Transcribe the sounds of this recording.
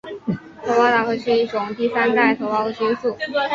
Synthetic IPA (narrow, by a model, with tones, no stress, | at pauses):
t̪ʰo˧˥ʊpɑ˥ʊt̪ɑ˧˥xwe˥˧ʂɻ̩˥˧i˥˩ʈ͡ʂʊ˨˩ŋt̪i˥˩sa˥nt̪a˥˩ɪt̪ʰo˧˥ʊpɑ˥ʊd̪ə˨˩t͡ɕi˥nsu˥˩